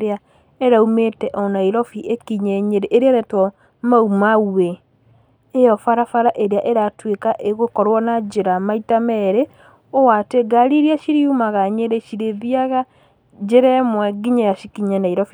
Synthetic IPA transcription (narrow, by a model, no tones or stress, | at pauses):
ɾea | eɾaumetɛʔɔnaiɾɔfiʔekiɲɛɲeɾeʔːɾeaɾɛtwɔ | maumaueː | jɔfaɾafaɾaʔeɾeaʔeɾatwekaʔeɣokɔɾwɔnad͡ʒeɾamaitamɛɾe | owateɡaɾiɾiaʃiɾiumaɣaɲeɾeʃiɾeðiaɣa | d͡ʒeɾɛmwɛɡiɲɛjaʃikiɲanaiɾɔfi